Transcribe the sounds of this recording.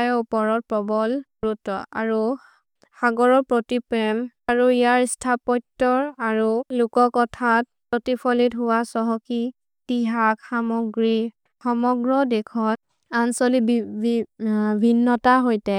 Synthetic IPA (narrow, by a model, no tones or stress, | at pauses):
jɔupɔɹɔt̚pɔbɔlɹutɔ̰a̰ɹu | xaɡɔɹɔɹpɹotipɹɛmaɹuijaɹstʰapɔtːɔɹaɹulʊkɔkɔtʰat̚pɹotipʰɔlitɦʊwasɔɦɔki | tiɦakxamɔɡɹi | xɔmɔɡɹɔdɛkʰɔt | ansɔlibi | bʱinːɔtaɦojtɛ